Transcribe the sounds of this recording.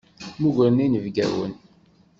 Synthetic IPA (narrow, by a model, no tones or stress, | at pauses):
muʝɾəninəvɡæ̰wə̰n